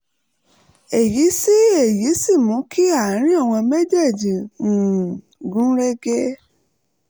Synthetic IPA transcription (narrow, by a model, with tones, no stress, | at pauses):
e˨ji˨˦si˦e˦˨ji˨˦si˦˨mũ˨˦ki˦a˦˨˦ɾ̃ĩ˦a˦˨w̃ɔ̃˧me˦d͡ʒe˦˨d͡ʒĩ˨ũ˨ | ɡũ˦ɾe˦ɡe˦